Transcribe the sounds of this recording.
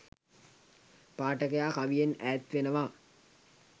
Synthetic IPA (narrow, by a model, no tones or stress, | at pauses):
paːʈəkejaːkaʋijenæːt̪ʋenəʋaː